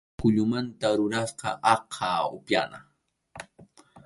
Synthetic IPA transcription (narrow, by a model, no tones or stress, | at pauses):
kʊʎʊmant̪aɾʊɾasqɑʔɑqʰɑʊpja̰na